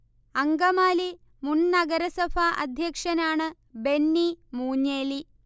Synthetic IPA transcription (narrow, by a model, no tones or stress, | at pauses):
ɐŋɡɐmaːli | munnɐɡɐɾɐsɐfʰaʔɐ̰d̪ʱjɐkʂɐnaːɳɨ | benːimuːɲːeːli